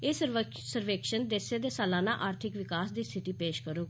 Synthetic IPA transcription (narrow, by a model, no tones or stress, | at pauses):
eːsə | səɾʋeːkʃənd̪eːseːd̪eːsaːlãːnãːʔaːɾt̪ʰɪkʋɪkaːsd̪iːst̪ʰɪʈiːpeːʃkəɾoː